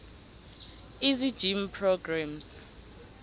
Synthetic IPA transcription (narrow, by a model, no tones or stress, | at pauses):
izid̥d͡ʒ̥impʰrɔɡrams